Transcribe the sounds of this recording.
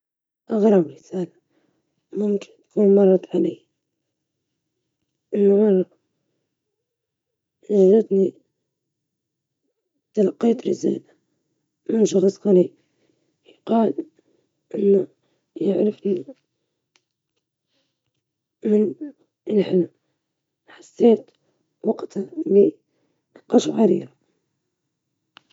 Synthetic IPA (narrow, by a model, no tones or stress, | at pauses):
ʔɑɣɾˤɑbɾɪsaːla | mʊmkɪ̥nt̪kuːnmɑrˤːɑd̪ˤʕalaː | ʔɪnːamɑrˤːɑ | naʒɪt̪ni | t̪alɑqːijt̪ɾɪsa̰ːla | mɪnʃɑxsˤqɑɾiːb | jqɑːl | ʔɪnːa | jaʕɾɪfni | mɪn | ɪlħɪlm | ħasːeːt̪ | wɑqt̪ali | qɑʃwʕaɾḭːɾa